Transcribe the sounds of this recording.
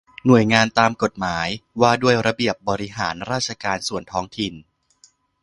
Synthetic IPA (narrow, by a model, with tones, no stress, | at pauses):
nu˨˩əjŋaː˧nt̪aː˧mko˨˩t̪̚maː˩˦jwaː˧du˥˩əjɾa˧bi˨˩əp̚bɔː˧ɾi˦˥ɦaː˩˦nɾaː˥˩t͡ɕʰa˧kaː˧nsu˨˩ənt̪ʰɔː˦˥ŋt̪ʰi˨˩n